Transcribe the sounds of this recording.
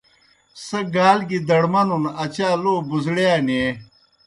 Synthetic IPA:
sɐɡaːlɡid̪ɐɽmɐnunɐt͡ɕaːloːbuzɽeane

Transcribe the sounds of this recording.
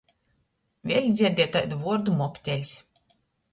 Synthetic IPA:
vʲiɛlʲd̪zʲiɛɾd̪ʲiɛt̪ajd̪vuɔɾd̪umɔpʲt̪ʲɛlʲsʲ

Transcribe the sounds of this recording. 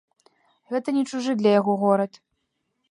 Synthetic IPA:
ɣɛt̪ɐnʲɛt͡ʂuʐɨd̪lʲɐjaɣɔɣɔɾɐt̪

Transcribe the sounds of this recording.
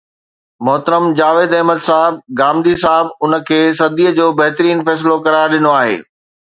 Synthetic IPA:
mʊɦt̪əɾəmd͡ʑaːʋeːd̪ɐɦməd̪saːɦɪb̚ɡaːmd̪isaːɦɪbʊnə̆kʰeːsɐd̪iːəd͡ʑoːbɐɦt̪ɾiːnfɛːs̬lokɐɾaːjɗɪnoaːɦḛː

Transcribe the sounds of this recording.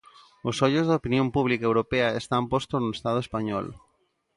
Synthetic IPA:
ʊsoʎozðɐopinjõmpuβ̞likaewɾopeaest̪ampɔst̪oznoest̪að̞oespaɲɔ̰l

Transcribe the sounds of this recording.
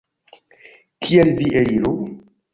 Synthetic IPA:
kʰielviʔeiɾu

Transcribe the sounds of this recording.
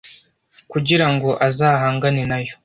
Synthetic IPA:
kuɟiɾaŋɡo̞ʔazaːɦaːŋɡane̞najo

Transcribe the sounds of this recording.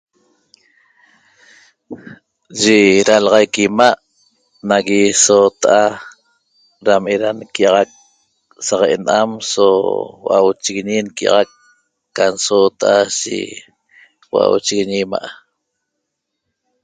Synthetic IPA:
ʒeɾalʁɑjkimaʔ | naɣisoːt̪aʔa | ɾameɾankiɑʁɑk̚ | saʁeʔenʔamsowa̰wt͡ʃiɣiɲinkiɑ̰ʁakː | ansot̪aʔaʃḭ | wa̰wt͡ʃiɣiɲima̰ʔa

